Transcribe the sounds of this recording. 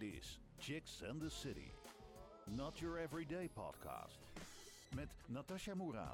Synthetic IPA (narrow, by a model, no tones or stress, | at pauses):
dɪ̰s | t͡ʃɪksɛ̃nðəsɪɾḭ | nətəɹɛvɹideɪpʰɑ̰d̥̚kʰa̰ːst | mɛtnataʃamuɾa̰ː